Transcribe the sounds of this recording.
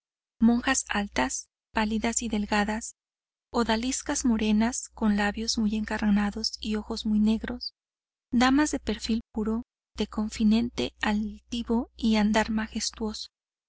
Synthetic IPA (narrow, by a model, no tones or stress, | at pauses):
mõ̞ŋxasalt̪as | paliðasiðe̞lɡaðas | o̞ðaliskazmo̞ɾe̞nasko̞nlaβjo̞zmuje̞ŋkaɾnaðo̞sio̞xo̞zmujne̞ɣɾo̞s | d̪amazðe̞pe̞ɾfilp̚uɾo̞ | ð̥e̞ko̞ɱfinẽ̞nt̪e̞̰alt̪iβo̞iand̪aɾmaxe̞st̪wo̞so̥